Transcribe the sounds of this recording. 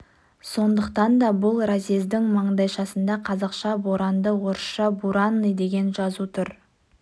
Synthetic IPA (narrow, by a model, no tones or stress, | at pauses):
so̞nd̪əqt̪ɑnd̪ɑbʊlˠɾazʲizd̪ɪŋmɑɴd̪ɑjʃɑsənd̪ɑqʰɑzɑqʃɑboɾɑnd̪əwo̞ɾsʃɑbuɾɑnːəjd̪e̞ɡʲe̞nʒɑzut̪ʰʊɾ